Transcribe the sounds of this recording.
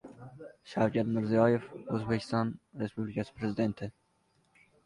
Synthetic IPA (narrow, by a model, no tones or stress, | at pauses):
ʃafkad̪mɪɾzijɑːjefozbekʰi̥st̪ɑːnɾespublikaspʰɾezid̪ent̪ʰe